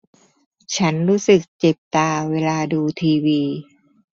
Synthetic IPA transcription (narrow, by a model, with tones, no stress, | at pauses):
t͡ɕʰa˦˥nɾuː˦˥sɯ˨˩k̚t͡ɕe˨˩p̚t̪aː˧weː˧laː˧duː˧t̪ʰiː˧wiː˧